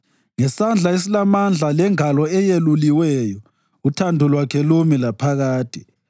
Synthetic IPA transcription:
ŋɛsand͡ɮʱaes̬ilamand͡ɮʱalɛŋalɔɛjeluliwɛjɔ | utʰandʱulwakʰɛlumilapʰaɣaːtʼi̥

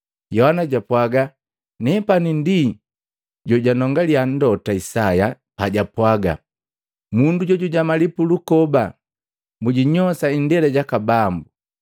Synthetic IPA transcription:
jɔhanaɟapwaɡa | nɛpanindi | ɟɔɟanɔŋɡalian̩dɔtaisaja | paɟapwaɡa̰ | munduɟɔɟuɟamalipulukɔba | muɟiɲɔsaindɛlɛɟakabambu

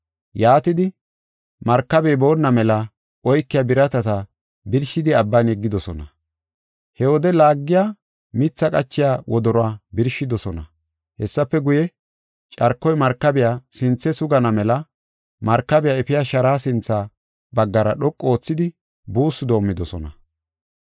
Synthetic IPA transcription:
jaːt̪ɪd̪ɪ | mɐɾkːɐbeːbo̞ːnːɐmɛlɐ | ʔɔjkːɪjabɪɾɐt̪ɐt̪ɐ | bɪɾʃɪd̪ɪɐbːɐnɛɡːɪd̪ɔsɔ̰nɐ | hɛwɔd̪ɛlaːɡːɪjaː | mɪt͡sːɐkʼɐt͡ʃːɪjaːwɔd̪ɔɾɔaːbɪɾʃːɪd̪ɔsɔnɐ̰ | hɛsːɐpːɛɡʊjɛ | t͡ʃʼɐɾkːɔjmɐɾkːɐbɪjaːsɪnt͡sːɛsʊɡɐnɐmɛlɐ | mɐɾkːɐbɪjaːɛfɪjaʃɐɾaːsɪnt͡sːaː | bɐɡːɐɾɐɗɔkʼːo̞ːt͡sːɪd̪ɪ | buːsːʊd̪o̞ːmːɪd̪ɔsɔnɐ

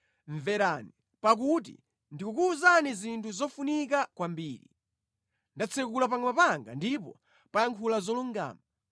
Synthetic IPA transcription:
ɱvɛɾani | pak̬ut̬ḭ | ndikukuːzanizintʰuzɔfunik̬akwambiːɾḭ | ndat͡sʰɛkulap̬aŋɡmapaŋɡa̰ndipɔ̰ | pajaŋkʰulazɔluŋɡa̰ːma

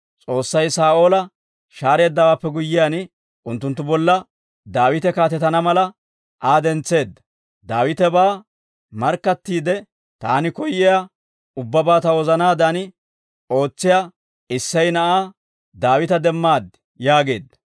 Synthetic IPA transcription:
t͡sʼo̞ːsːɐjsaːʔo̞ːlɐ | ʃaːɾe̞ːd̪ːɐwaːpːɛɡʊjːɪjanɪ | ʔʊnt̪ːʊnt̪ːʊbɔlːɐ | d̪aːwɪt̪ɛkaːt̪ɛt̪ɐnɐmɐlɐ | ʔaːd̪ɛnt͡sːe̞ːd̪ːɐ | d̪aːwɪt̪ɛbaː | mɐɾkːɐt̪ːiːd̪ɛ | t̪aːnɪkɔjːɪja | ʊbːɐbaːt̪ɐwɔzɐnaːd̪anɪ | o̞ːt͡sːɪja | ɪsːɐjnɐʔaː | d̪aːwɪt̪ɐd̪ɛmːaːd̪ | jaːɡe̞ːd̪ːɐ

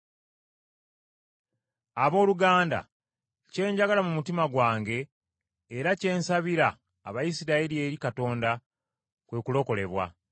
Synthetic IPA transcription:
aβo̞ːluɡaːnda̰ | ce̞ːɲɟaɡalamumutimaɡwaːŋɡe̞ː | ɾace̞ːnsaβiɾaː | βajisiɾailie̞ɾikato̞ːnda | kwe̞ːkulo̞ko̞le̞βwa̰

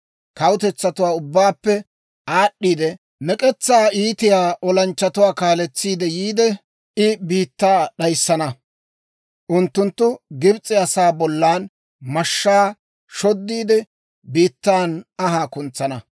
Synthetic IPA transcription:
kɐwt̪ɛt͡sːɐt̪ʊwaːʊbːaːpːɛ | aːɗːiːd̪ɛ | mɛkʼɛt͡sːaːiːt̪ɪjaːʔɔlɐnt͡ʃːɐt̪ʊwaːkaːlɛt͡sːiːd̪ɛjiːd̪ɛ | ʔɪbiːt̪ːaːɗɐjsːɐnɐ | ʔʊnt̪ːʊnt̪ːʊɡɪbt͡sʼɪɐsaːbɔlːaːn | mɐʃːaː | ʃɔd̪ːiːd̪ɛ | biːt̪ːaːnɐɦaːkʊnt͡sːɐnɐ

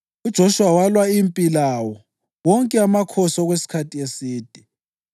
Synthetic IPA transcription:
ud̥ʒ̥ʱoʃuwawalwaimpʼilawɔ | wɔŋkʼɛamakʰɔsɔɣwesi̥kʰatʰʼiesiːd̥ʱi

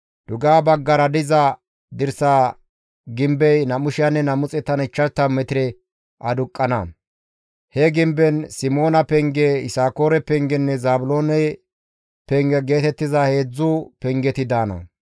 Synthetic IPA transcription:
d̪̥ʊɡaːbɐɡːɐɾɐd̪ɪzɐ | d̪ɪɾsaː | ɡɪmbɛjnɐmʊʃɪjanːɛnɐmʊt͡sʼɛt̪ːɐnɪt͡ʃːɐt̪ːɐmɛt̪ɪɾɛ | ʔɐd̪ʊkʼːɐnɐ̰ | hɛɡɪmbɛnsɪmo̞ːnɐpɛŋɡɛɪsaːko̞ːɾɛpɛŋɡɛnːɛzaːbʊlo̞ːnɛ | pɛŋɡɛɡe̞ːt̪ɛt̪ːɪzahe̞ːd͡zːupɛŋɡɛt̪ɪd̪aːnɐ̰

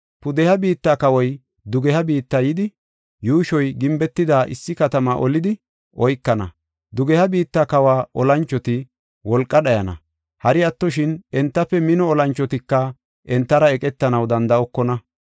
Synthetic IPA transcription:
pʊd̪ɛhɐbiːt̪ːaːkɐwɔj | d̪ʊɡɛhɐbiːt̪ːaːjɪd̪ɪ | juːʃɔjɡɪmbɛt̪ːɪd̪aːʔɪ̰sːɪkɐt̪ɐmaʔɔlɪd̪ɪ | ʔɔjkːɐnɐ̰ | d̪ʊɡɛhɐbiːt̪ːaːkɐwaːʔɔlɐnt͡ʃːɔt̪ɪ | wɔlkʼːɐɗɐjɐnɐ̰ | hɐɾɪɐt̪ːɔʃɪnɛnt̪ːɐpːɛmɪnɔːlɐnt͡ʃːɔt̪ɪkːɐ | ʔɛnt̪ːɐɾɐɛkʼɛt̪ːɐnɐwd̪ɐnd̪ɐɔkːɔnɐ

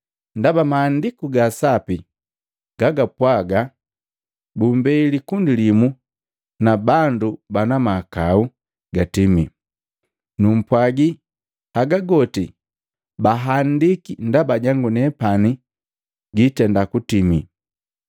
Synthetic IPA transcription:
ndabamaːndikuɡasapi | ɡ̥aɡapwaɡa | bumbɛilikundilimu | nabandubanamakau | ɡatimi | num̩pwaɡi | haɡaɡɔti | baɦandikindabaɟaŋɡunɛpani | ɡitɛndakutimi

